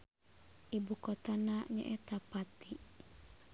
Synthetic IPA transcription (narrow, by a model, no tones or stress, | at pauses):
ʔibukɔt̪anaɲa̰ʔɛt̪apat̪i